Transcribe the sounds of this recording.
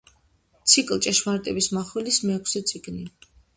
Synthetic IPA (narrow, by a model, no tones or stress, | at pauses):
t̪sʰikʼlˠt͡ʃʼɛʃmaɾt̪ʼɛbismaχwɛlismɛːkʷʰsɛt̪sʰʼiɡni